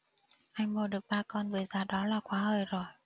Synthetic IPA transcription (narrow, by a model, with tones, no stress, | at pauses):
ʔa˧jŋɓo˨˧˩ɗɨ˨˩ək̚ɓaː˧kɔ˧nvɨ˨˩jzaː˧ɗɔ˨˦laː˨˩kwaː˨˦həː˧˩jzo˨˩j